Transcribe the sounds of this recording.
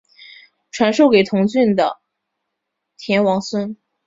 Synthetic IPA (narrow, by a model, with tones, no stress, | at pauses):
ʈ͡ʂʰwa˧˥nʂo˥˩ʊke˨˩ɪt̪ʰʊ˧˥ŋɕy˥˩nd̪ə̰˩ | t̪ʰjɛ˧˥nwɑ˧˥ŋswə˥n